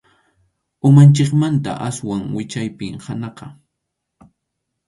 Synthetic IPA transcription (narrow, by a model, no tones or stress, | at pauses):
ʊmant͡ʃɪkmant̪a̰ʔaswaŋwɪt͡ʃajpɪŋhanɑqɑ